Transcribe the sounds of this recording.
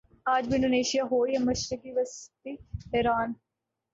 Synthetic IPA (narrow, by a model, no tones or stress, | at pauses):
aːd͡ʒʋɪnɖoːneːʃijaːɦoːiɛməʃɾɪkiːʋəst̪iːɛːɾaːn